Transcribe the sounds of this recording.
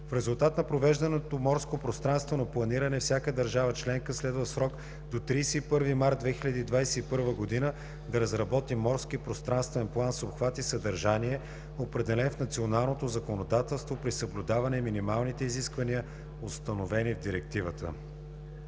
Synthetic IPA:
fɾɛzʊlˠt̪at̪nɐpɾovɛʒd̪ɐnɛt̪omɔɾskopɾost̪ɾanst̪vonɐplˠɐniɾɐnɛfsʲjakəd̪ɐɾʒavət͡ʃlɛŋkəslɛd̪vəsɾɔk | d̪ot̪ɾijsɛipɤɾvimaɾt̪̚d̪vɛxilʲəd̪iːd̪vajsɛipɤɾvəɡod̪inə | d̪ɐɾɐzɾɐbɔt̪imɔɾskipɾost̪ɾanst̪vɛnplˠansopxvat̪isəd̪ɐɾʒaniɛ | opɾɛd̪ɛlɛnfnɐt̪sionalˠnot̪ozɐkonod̪at̪ɛlˠst̪vopɾisəblʲʊd̪avɐnɛminimalˠnit̪ɛiziskvɐniə | ost̪ɐnovɛnivd̪iɾɛk̚t̪ivət̪ə̰

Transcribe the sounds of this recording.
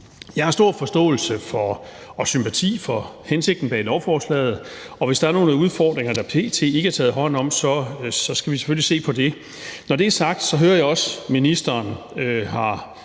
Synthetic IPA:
jɑ̈hɑ̈sd̥o̝ɐ̰fɒ̽sd̥ɔ̰̽ːl̩səfɒ̽ɒsympʰæt͡sʰḭːfɒ̽hense̝ɡ̥̚d̥n̩b̥ɛːlɒʊfɒːslɛ̰ːð̞̩ˠ | ɒ̽ʋe̝sd̥ɑæɐno̝ːnəuð̞ˠfɒːd̥ʁeŋɐd̥ɑpʰe̝̰ːt͡sʰe̝̰e̝ɡəæɐt͡sʰɛ̰ːð̩ˠɦɒ̽n̰ɒ̽m̰sɒ̽sɒ̽sɡ̥æʋise̥følise̝̰ːpʰɒ̽d̥e̝ | nɒd̥e̝æɐsɑ̈ɡ̥̚d̥sɒ̽ɦøːɐjɑ̈ɒ̽sminisd̥ɐːn | øhɑ̈

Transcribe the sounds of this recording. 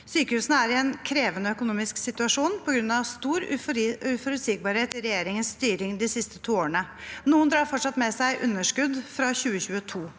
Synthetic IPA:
syːkəhʉːsənəæɾɪɛnkʰɾeːʋənəœkʊnuːmɪsksɪt̪ʉɑʂuːnpʰɔɡɾʉnːɑʋst̪uːɾʉʉfɔɾʉt̪sɪɡ̚bɑɾheːt̪ɪɾɛjeːɾɪŋənst̪yːɾɪŋd̪ɪsɪst̪ət̪ʰuːoːəɳənuːənd̪ɾɑːɾfɔʈʂɑt̪mɛsæɪʔʉnːəʂkʉd̪fɾɑçʉːəçʉːət̪ʰuː

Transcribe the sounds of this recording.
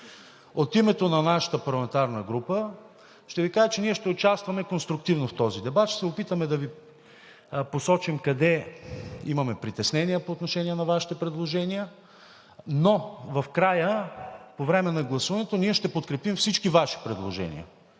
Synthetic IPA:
ot̪imɛt̪onɐnaʃə̥t̪əpɐɾlˠɐmɛnt̪aɾnəɡɾupə | ʃt̪ɛvikaʒət͡ʃɛniɛʃt̪ɛot͡ʃast̪vɐmɛkonst̪ɾuk̚t̪ivnoft̪ɔzid̪ɛbat̪ʃɛ̥sɛopit̪əmɛd̪ɐvi | posɔt͡ʃimkɐd̪ɛ | imɐmɛpɾit̪ɛsnɛniəpoːt̪noʃɛniɛnɐvaʃi̥t̪ɛpɾɛd̪lˠoʒɛniə | novɐfkɾajəpovɾɛmɛnɐɡlˠɐsuvɐnɛt̪oniɛʃt̪ɛpot̪kɾɛpimfsit͡ʃkivaʃi̥pɾɛd̪lˠoʒɛ̰nḭə̰

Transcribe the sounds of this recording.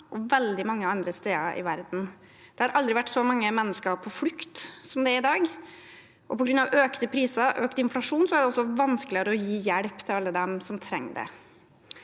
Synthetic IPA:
ʔɔʋɛld̪ɪmɑŋːəɑnd̪ɾəst̪eːəɾʔɪ̰ʋæɾd̪n̩ | d̪̥ɛhɑɾʔɑld̪ɾɪʋæʈːsɔmɑŋːəmɛnːəskəɾpʰɔfʉkt̪sɔmd̪ɛæɾɪd̪ɑːɡ | ʔɔpɔɡɾʉnɑʋøːkt̪əpʰɾiːsəʔøːkt̪əɪnflɑʂuːnsɔæɖɛɔsːɔʋɑnskəlɪəɾəɔjiːjæɽpt̪ʰɪlɑlːəd̪ɛmsɔmt̪ʰɾɛŋːɖɛ̰

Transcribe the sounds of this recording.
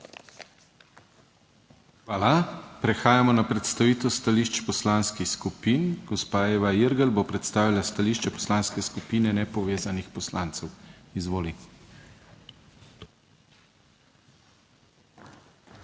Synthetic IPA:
xʋaːlapɾɛxaːjamɔnapɾɛt̪st̪aʋiːt̪ost̪aliʃt͡ʃpɔslanskixskupiːnɡ̥ɔspaeːʋaiɾɡəlbopɾɛt̪st̪aːʋilast̪aliːʃt͡ʃɛpɔ̥slanskɛskupiːnɛnɛpɔʋeːzanixpɔslaːnt̪sɛwizʋoːli

